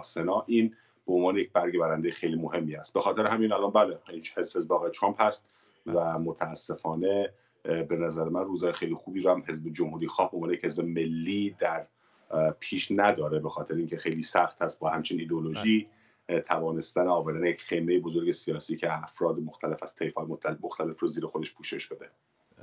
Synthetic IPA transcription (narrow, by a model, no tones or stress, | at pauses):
senɒːʔiːn | beonvɒːnejec̚bæɾɟe̞bæɾænd̪ejexejliːmohe̞mːiːhæst̪̚bexɒːt̪e̞ɾeɦæmiːnælɒnbæːleihezbhezbɒːɣejt̪ʰɾɑːmphæst̪̚ | væmot̪ʰæːsːe̞fɒːne̞ | be̞næzæɾemænruːzɒːjexejlixuːbiːɾɔhæmɦe̞zbed͡ʒomhuːɾijxɒːhbeonvːneje̥hezbe̞me̞lːiːd̪æɾ | pʰiːʃnæd̪ɒːɾebexɒːt̪ʰeɾeiːŋcʲʰexe̞jliːsæxt̪hæst̪̚bɒːhæmt͡ʃʰiniːd̪eoloʒiː | t̪ʰævɒːne̞st̪æneɒːvæɾd̪ænejecχejmejebozo̞ɾɟe̞sijɒːsiːcʰeæfɾɒːd̪emoxt̪ʰæle̞fæst̪ʰejfɒːjomoxt̪ʰæle̞froziːɾexod̪eʃpʰuːʃe̞ʃb̥e̞d̪e